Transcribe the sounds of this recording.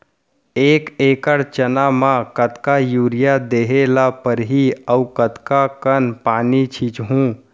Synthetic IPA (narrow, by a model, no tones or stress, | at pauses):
eːkeːkəɽt͡ʃənamãkət̪kajuːɾɪjad̪eːɦelapəɾɦiəʊkət̪kakənpaːnit͡ʃʰit͡ʃɦũː